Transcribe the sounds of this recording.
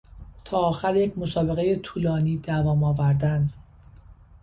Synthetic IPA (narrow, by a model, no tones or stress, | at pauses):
t̪ʰɒːxæɾje̞cʰmo̞sɒːbe̞ɣe̞je̞t̪ʰuːlɒːniːd̪ævɒːmɒːvæɾd̪ænd̪